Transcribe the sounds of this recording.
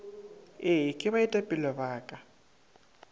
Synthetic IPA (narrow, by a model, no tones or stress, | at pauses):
ɪkʼɪbaɪtʼapʼɪlɔbaːkʼa